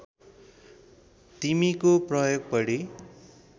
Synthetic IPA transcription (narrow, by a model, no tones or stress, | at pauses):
t̪imikoprʌjoɡ̚pʌɽi